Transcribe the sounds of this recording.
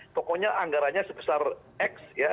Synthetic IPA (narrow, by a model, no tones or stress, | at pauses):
p̪ɔkɔɲaʔaŋɡaɾaɲasəbəsar | ɛksja